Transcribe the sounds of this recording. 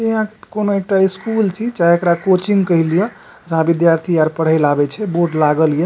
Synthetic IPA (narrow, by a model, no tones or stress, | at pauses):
t̪eɦãkekonoek̚ʈaiskult͡ʃʰit͡ʃaɦiekɽakot͡ʃiŋɡkəɦilije | d͡ʒəɦãbid̪jaɾt̪ʰiaɾpəɽ̤əjlabɛt͡ʃʰɛboɾɖlaɡəlije